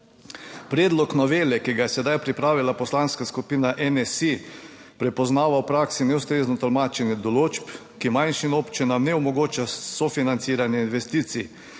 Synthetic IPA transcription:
pɾɛːd̪lɔknɔʋeːlɛkiɡajɛsɛd̪ajpɾipɾaːʋilapɔslanskaskupiːnaʔɛnɛsi | pɾɛpɔznaːʋawpɾaːksinɛwst̪ɾeːznɔt̪ɔlmaːt͡ʃɛnjɛd̪ɔloːt͡ʃp | kimajnʃinoːpt͡ʃinamnɛɔmɔɡoːt͡ʃasɔfinant̪siːɾanjɛinʋɛst̪iːt̪si

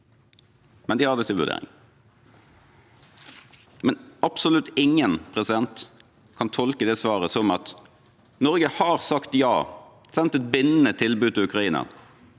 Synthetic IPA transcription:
mɛnd̪ɪhɑʁd̪ɛːt̪ʰɪlʋʉ̰ʁd̪ḛːɾɪ̰ŋ | mɛnɑpsɔlʉt̪ːɪŋənpʰʁɛsɪd̪ɛnt̪ | kʰɑnt̪ʰɔlkəd̪ɛːsʋɑːʁəsɔmɑt̪ | nɔɾɡəhɑːʁsɑkt̪jɑ̰ː | sɛnt̪ɛt̪̚bɪnːənət̪ʰɪlbʉːd̪̚ɪʉkʁɑiːnə̰n

